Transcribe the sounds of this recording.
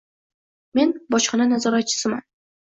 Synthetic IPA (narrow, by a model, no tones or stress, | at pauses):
me̞nbɒʃχɑnanazɒɾat̪̚t͡ʃʰɪ̥sɪma̰n